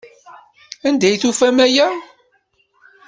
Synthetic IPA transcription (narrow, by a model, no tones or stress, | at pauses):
ænd̪æjθufæmæjæ